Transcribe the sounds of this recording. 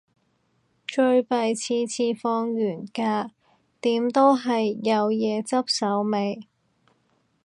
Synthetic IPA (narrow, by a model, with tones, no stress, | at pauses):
t͡ʃɵ˧ɥpɐ˨˧jt͡sʰiː˧t͡sʰiː˧fɔː˧ŋjyː˨˩nkaː˧ | t̪iː˨˥mt̪o˥wɦɐ˨jːɐ˨˧wjɛː˨˧t͡sɐ˥p̚sɐ˨˥wme˨j